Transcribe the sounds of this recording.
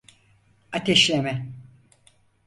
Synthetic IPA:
at̪ʰeʃlʲemɛ

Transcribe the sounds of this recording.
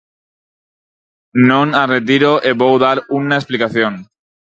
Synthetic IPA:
nõnaret̪̬iɾoʔeβowðaɾunaesplikaθjon

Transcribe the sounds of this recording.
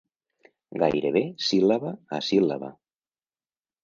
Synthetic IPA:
ɡa̰jɾeβesilaβaasila̰βa̰

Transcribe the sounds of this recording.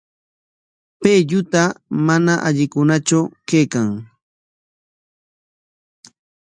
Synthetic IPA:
peʎʊt̪amanaʔaʎɪkʊnat͡ʃawkejkaŋ

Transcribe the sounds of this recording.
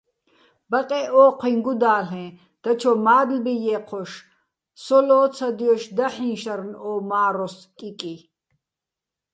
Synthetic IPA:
baqʼɛʔɔːqʰwiŋɡud̪aːɬɛ̃ː | d̪̥at͡ʃʰɔmaːd̪lbijɛːqʰɔʃ | sɔlɔːt͡sʰad̪iɔʃd̪aħĩnʃaɾnɔːmaːɾɔskʼikʼi

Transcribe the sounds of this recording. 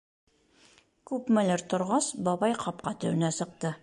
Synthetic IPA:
kʉpmɘ̆lɘɾt̪ŏɾʁɑsbɒbɑjqɒp̚qɑt̪ɘ̆wɘ̆næsɤ̆q̚t̪ɤ

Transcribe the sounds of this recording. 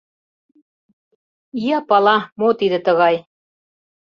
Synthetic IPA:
ijɑpɑlˠɑmot̪id̪ɘ̆t̪ɤ̆ɣɑj

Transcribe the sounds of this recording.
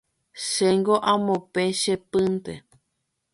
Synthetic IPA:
ʃeŋɡoʔãmõpẽʃepɨ̃nt̪e

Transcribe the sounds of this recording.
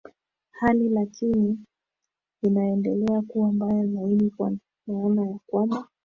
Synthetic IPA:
halilakini | inaɛndɛlɛakuwambajɔzainikwa | naɔnajakwamba

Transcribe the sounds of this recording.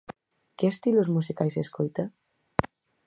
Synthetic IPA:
keest̪ilozmusikajseskojt̪a

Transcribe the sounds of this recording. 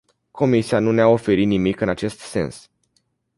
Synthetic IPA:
kʰo̞misianuneao̞fe̞ɾit̪nimikɨnat͡ʃe̞st̪se̞̰ns

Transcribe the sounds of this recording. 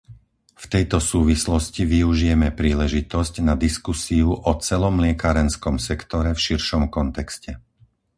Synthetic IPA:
ft̪ɛjt̪ɔsuːʋislɔsciʋiuʒijɛmɛpɾiːlɛʒit̪ɔscnad̪iskusiuʔɔt͡sɛlɔmlɪɛkaːɾɛnskɔmsɛkt̪ɔɾɛfʃiɾʃɔmkɔnt̪ɛkscɛ

